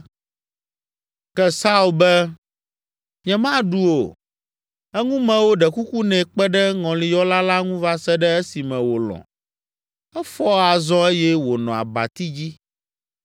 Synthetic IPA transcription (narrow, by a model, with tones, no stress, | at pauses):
kɛ˦sa˦u˨lbɛ˦ | ɲɛ̃˨mã˦ɖu˦o˨ | ɛ˦ŋũ˦mɛ̃˨wo˦ɖɛ˨ku˦ku˦nɛ̃˨k͡pɛ˦ɖɛ˦ŋɔ̃˨lĩ˨jɔ˦la˦la˦ŋũ˦va˦sɛ˦ɖɛ˦ɛ˦si˨mɛ̃˨wo˨lɔ̰̃˨ | ɛ˦fɔ˦a˨zɔ̃˦e˦jɛ˦wo˨nɔ̃˨a̰˨ba̰˨t̪i˦d͡ʑi˦